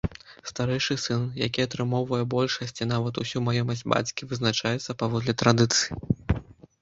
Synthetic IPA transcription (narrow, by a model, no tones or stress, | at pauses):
st̪aɾɛjʂɨsɨnjakʲiɐt̪ɾɨmɔwvɐjɛbɔlʲʂɐsʲt͡sʲin̪avɐt̪usʲumajɔmɐsʲdʲd͡zʲba̰t͡sʲkʲivɨznat͡ʂajɛt̪sːɐpavɔd̪lʲɛt̪ɾad̪ɨt̪sɨji